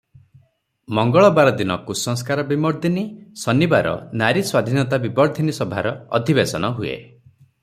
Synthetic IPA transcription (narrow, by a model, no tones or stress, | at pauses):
mɔŋɡɔɭɔbaɾɔd̪inɔkusɔŋskaɾɔbimɔɾd̪inisɔnibaɾɔ̰naɾiswad̪ʱinɔt̪abibɔɾd̪ʱinisɔbʱaɾɔɔ̰d̪ʱibesɔnɔɦuḛ